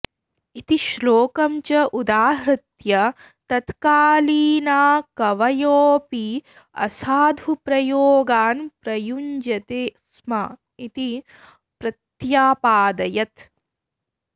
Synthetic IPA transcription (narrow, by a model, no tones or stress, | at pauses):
it̪iʃloːkɐmt͡ʃɐʔud̪aːɦɾɐt̪jɐ | t̪ɐt̪kaːliːnaːkɐʋɐjoːpi | ɐ̰saːd̪ʱupɾɐjoːɡaːnpɾɐjuɲd͡ʒɐt̪eːs | mɐ | it̪i | pɾɐt̪jaːpaːd̪ɐjɐt̪